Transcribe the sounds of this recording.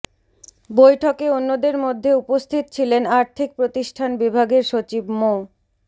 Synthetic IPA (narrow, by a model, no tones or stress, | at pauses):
bojʈʰokeonːod̪eɾmod̪ʱːeupost̪ʰit̪o̥t͡ɕʰilenaɾt̪ʰik̚pɾot̪iʃʈʰanbibʱaɡeɾʃot͡ɕibmo